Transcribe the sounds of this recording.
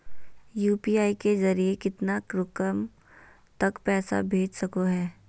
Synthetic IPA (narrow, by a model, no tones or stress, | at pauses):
juːpiːaːikezɐɾiekɪt̪nakɾʊkəm | t̪ɐkpɛːsa̰bʱeːd͡ʒsɐkoɦɛː